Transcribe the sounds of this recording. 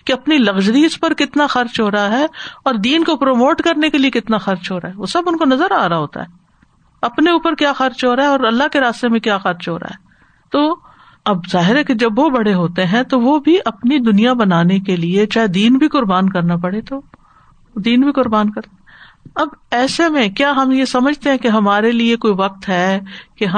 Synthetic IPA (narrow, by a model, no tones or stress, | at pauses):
keɐpnilɐɣd͡ʒɾiːʊspɐɾkɪt̪naxɐɾt͡ʃɦoːɾɦaɦɛːɔːɾd̪iːnkopɾoːmoːʈkɐɾnekeliekɪt̪naxɐɾt͡ʃɦoːɾaːɦɛʋoːsɐbʊnkonɐzəɾa̰ːɾaɦoːt̪a̰ɦɛː | ɐpneuːpəɾkjaːxɐɾt͡ʃɦoːɾaɦɛɔːɾɐlːaɦkeɾaːst̪emẽkjaːxɐɾt͡ʃɦoːɾa̰ɦɛː | t̪oː | ɐbzaːɦɪɾɦɛked͡ʒɐbʋobɐɽeɦoːt̪eɦɛ̃t̪oʋobʱiʔɐpnid̪ʊnijabɐnaːnekeliet͡ʃaːɦed̪iːnbʱikʊɾbaːnkɐɾnapɐɽet̪o | d̪iːnbʱikʊɾbaːnkɐɾt̪ | ɐbɛːsemẽkjaːɦɐmjesɐməd͡ʒʱt̪eɦɛ̃keɦɐmaːɾeliekoːiʋɐq̚t̪ɦɛːkeɦɐ